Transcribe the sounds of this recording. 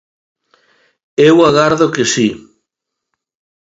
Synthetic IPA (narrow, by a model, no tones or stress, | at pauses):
ewaɣaɾðokɪsi